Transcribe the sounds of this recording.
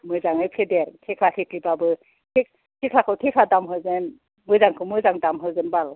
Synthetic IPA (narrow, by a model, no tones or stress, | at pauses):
mɯjzaŋɯjpʰedeɾtʰekʰlakʰekʰlibabɯ | tʰek̚ | tʰikʰlakʰɯtʰekʰladamɦɯzen | mɯjzaŋkʰɯmɯjzaŋdamɦɯwzenbal